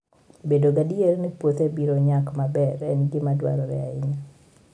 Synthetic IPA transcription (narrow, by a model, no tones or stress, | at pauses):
bedoɡadielnepwot̪ebiɾoɲakmabɛɾɛnɡɪmadwa̰ɾɔɾɛ̰a̰ɪɲi